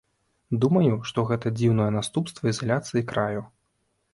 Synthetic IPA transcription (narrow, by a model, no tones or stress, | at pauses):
d̪umɐjuʂt̪ɔɣɛt̪ɐd͡zʲiwnɔjɛnast̪upst̪vɐizalʲat̪sɨjikɾaju